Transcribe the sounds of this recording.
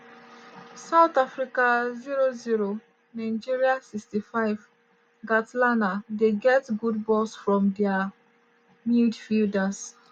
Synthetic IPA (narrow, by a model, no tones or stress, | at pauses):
saʊtafɹikaziɹoziɹo | naɪd͡ʒiɹiasikstifaɪv | ɡatlanadeɡɛtɡudbɔsfɹɔ̃mdɛa | mildfildas